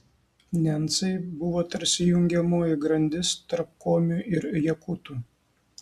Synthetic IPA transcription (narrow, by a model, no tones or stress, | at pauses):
nʲɛnt̪sɐɪbʊʋoːt̪ɐɾʲsʲɪjʊŋʲɡʲɛmoːjɪɡɾɐnʲd̪ʲɪst̪ɐɾp̚koːmʲuʔɪɾjɛkut̪uː